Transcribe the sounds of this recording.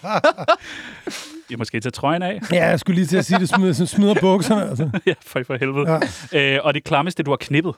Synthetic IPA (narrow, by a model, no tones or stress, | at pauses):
æmɒ̽sɡ̥e̝̰ːt͡sʰet͡sʰʁɒ̽ɪnɛjæjasɡ̥uliːt͡sʰe̝æsiːd̥e̝smsɔnsmiðˠɐb̥ɔ̽ɡ̥sɐnəælsəjæfɒfɒ̽ɦelʋð̩ˠøɒ̽d̥e̝kʰlɑ̈məsd̥e̝d̥uhɑ̈kʰne̝b̥ð̞̩ˠ